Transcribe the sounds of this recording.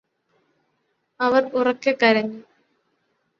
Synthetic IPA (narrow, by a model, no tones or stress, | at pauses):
ɐʋɐrurɐkːɨkɐɾɐɲːu